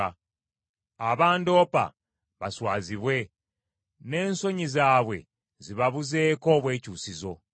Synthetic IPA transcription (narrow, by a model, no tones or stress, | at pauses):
aβaːndo̞ːpa̰ | βaswaːziβwe̞ | ne̞ːnso̞ɲizaːβwe̞̰ | ziβaβuze̞ːko̞ːβwe̞ːcuːsizo̞